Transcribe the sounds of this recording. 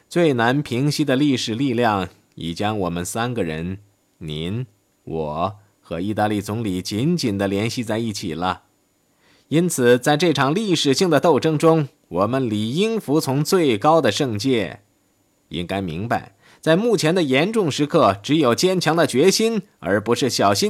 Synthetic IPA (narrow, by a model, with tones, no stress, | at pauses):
t͡swe˥˩ɪna˧˥npʰi˧˥ŋɕi˥d̪ə˨li˥˩ʂɻ̩˨˩li˥˧ljɑ˥˩ŋ | ɛ̰˨˩t͡ɕjɑ˥ŋwɔ˨˩mə˦nsa˥nɡə˨ɻə̰˧˥n | ni˧˥n | wʔɔ˨˩˦ | xɤ˧˥i˥˧t̪a˥˧li˥˩t͡sʊ˧˥ŋli˨˩t͡ɕi˧˥nt͡ɕi˨˩nd̪ə˦ljɛ˧˥nɕi˥˧t͡sa˥˧ɪi˥˩t͡ɕʰḭ˨˩lə̰˦ | i˥nt͡sʰɹ̩˨˩t͡sa˥˧ɪʈ͡ʂɤ˥˩ʈ͡ʂʰɑ˨˩ŋli˥˩ʂɻ̩˨˩ɕi˥˩ŋd̪ə˩t̪o˥˧ʊʈ͡ʂɤ˥˩ŋʈ͡ʂʊ˥ŋ | wɔ˨˩mə˦nli˨˩i˥ŋfu˧˥t͡sʰʊ˧˥ŋt͡swe˥˩ɪkɑ˥ʊd̪ə˨ʂɤ˥˧ŋt͡ɕjɛ˥˩ | ḭ˥ŋka˥ɪmḭ˧˥ŋpa̰˧ɪ | t͡sa˥˧ɪmu˥˩t͡ɕʰjɛ˧˥nd̪ə˧jɛ˧˥nʈ͡ʂʊ˥˧ŋʂɻ̩˧˥kʰɤ˥˩ʈ͡ʂɻ̩˧˥jo˨˩ʊt͡ɕjɛ˥nt͡ɕʰjɑ˧˥ŋd̪ə˨t͡ɕɥɛ˧˥ɕi˥n | ə̰˞˧˥pu˧˥ʂɻ̩˥˩ɕjɑ˨˩ʊɕi˥n